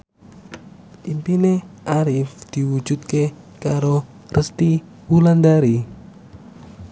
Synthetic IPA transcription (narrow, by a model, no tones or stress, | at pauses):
ʔimpineʔaɾifd̪̥i̤wud̥d͡ʒ̥ṳt̪̚ke | kaɾo | rəst̪i | wuland̪aɾi